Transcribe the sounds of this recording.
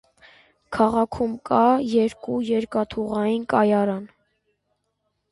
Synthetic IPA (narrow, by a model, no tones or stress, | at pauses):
kʰɑʁɑkʰumkʰɑjɛɾkujɛɾkɑt̪ʰuʁɑjinkɑjɑɾɑn